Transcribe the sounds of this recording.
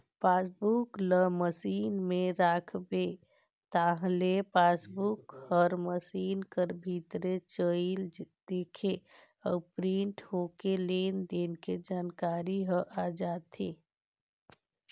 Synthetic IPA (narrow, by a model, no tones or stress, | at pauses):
pasbukləməsinmeɾakʰbe | t̪aɦlepasbukhəɾməsinkəɾbʱit̪ɾet͡ʃəld̪̥ekʰe | apɾiɳʈɦokelend̪enked͡ʒankaɾiɦəʔad͡ʒat̪ʰe